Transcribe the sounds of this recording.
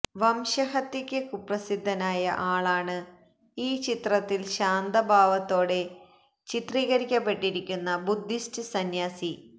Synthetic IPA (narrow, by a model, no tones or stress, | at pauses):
ʋɐmɕɐɦɐt̪ːikʲːɨkuprɐsid̪ʱːɐnaːjɐʔaːɭaːɳɨ | iːt͡ɕit̪rɐt̪ːilɕaːnd̪ɐbʱaːʋɐt̪ːo̞ːɽe̞ | t͡ɕit̪riːɣɐɾikʲːɐpːe̞ʈːiɾikʲːunːɐbud̪ʱːistɨsɐnjaːsi